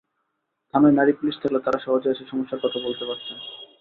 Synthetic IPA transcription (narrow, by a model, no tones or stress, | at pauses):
d̪̥ʱamanaɾipuliʃt̪ʰaklet̪aɾaʃɔɦod͡ʑeʃeʃɔmoʃːaɾkɔt̪ʰabolt̪epaɾt͡ɕʰen